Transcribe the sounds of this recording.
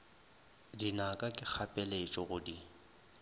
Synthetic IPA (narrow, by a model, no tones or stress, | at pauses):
dinakʼakʼɪk͡xʰapʼɛlet͡ʃʼɔɣʊdi